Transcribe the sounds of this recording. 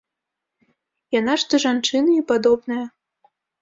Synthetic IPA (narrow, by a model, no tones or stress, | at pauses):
janaʂt̪oʐant͡ʂɨnɐipad̪ɔbnɐjɐ